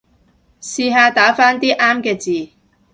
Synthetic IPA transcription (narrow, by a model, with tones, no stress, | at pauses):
siː˧ɦaː˧t̪aː˨˥faː˥nt̪iː˥ʔaː˥mkɛː˧t͡siː˨